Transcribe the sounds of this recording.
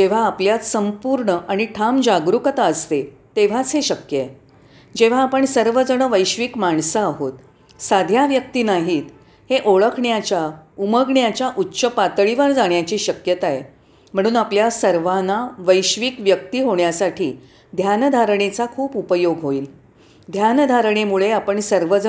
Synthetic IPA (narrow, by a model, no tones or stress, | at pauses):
d͡ʑeʋ̤aːpljat̪səmpuɾɳəʔaɽ̃iʈʰamd͡ʑaɡɾukət̪aəst̪e | t̪eʋ̤at͡sɦeɕəkjəe | d͡ʑeʋ̤aːpəɳsəɾʋəd͡zəɳəʋəjɕʋiːkmaɳsəaɦot̪ | sad̪ʱjaʋjək̚t̪iːnaɦiːt̪ | heʔoɭəkʰɳjat͡ɕjauməɡɳjat͡ɕjaʔutːɕəpat̪ɭiʋaɾd͡zaɳjat͡ɕiːɕəkjət̪ae | m̤əɽ̃uːnapljasəɾʋanaʋəjɕʋiːkʋjək̚t̪iːɦoɳjasaʈʰḭː | d̪ʱjand̪ʱaɾɳ̃et͡sakʰuːpupəjoɡɦoiːl | d̪ʱjand̪ʱaɾɳ̃emuɭeapəɳsəɾʋəd͡zə